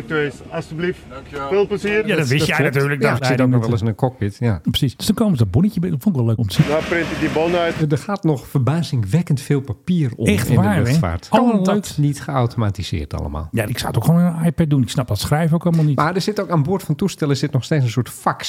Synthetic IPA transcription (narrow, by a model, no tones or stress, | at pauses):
k̚tesasdəbliffeːlˠpləziəjadɔtʋɪsjɛatyːrləkɔksɪtokɔʋɛlˠəsɪnənkɔk̚pɪtjaprə̥sisd̥øsd̥ɔnkoːwməzədɔbunəcəbtfontɪkʋɛlˠløːkɔmtəsiʋaprɪntədibɔnœjtdəxaːtnɔxfərbaːzɪŋʋɛkəntfɪːlˠpapiːərɔ̰ɛxtɪ̰nʋadəːløɛfa̰ːrtlˠmaldtnitxəawtomatiz̥ɪ̰ːrtʰɑ̰lˠə̰ma̰ːlˠjaɪksa̰wətokxʰoːnəənajpɛt̚dunɪksnɑp̚dɔtsxrɛjvəowkɑlˠmalˠnitmaːdəsɪtokaːnboətfɔntustɛlˠəsɪtnɔxsteːsən̩sʊətfaks